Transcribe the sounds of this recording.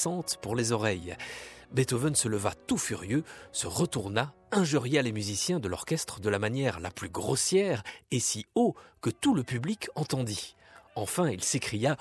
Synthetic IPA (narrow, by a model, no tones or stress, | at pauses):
sɑ̃t̪puʁlezɔʁɛjbet̪ovənsələvat̪ufyʁjøsəʁət̪uʁna | ɛ̃ʒyʁjalemyzisjɛ̃d̪əlɔʁ̥kʲɛst̪χəd̪əlamanjɛʁla̰plyɡʁosjɛʁesiokət̪uləpyblikʰɑ̃t̪ɑ̃d̪i | ɑ̃fɛ̃ilsekχija